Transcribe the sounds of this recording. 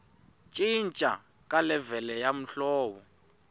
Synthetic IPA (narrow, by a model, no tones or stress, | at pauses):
t͡ʃʼint͡ʃʼa̰ | kalɛvɛlɛjam̩ɬɔːɓɔ